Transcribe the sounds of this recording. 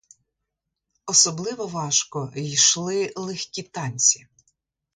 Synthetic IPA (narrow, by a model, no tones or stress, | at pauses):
ɔsɔblˠɪʋɔʋɑʃkɔjʃlˠɪlˠɛxʲkʲit̪ɑnʲt͡sʲi̥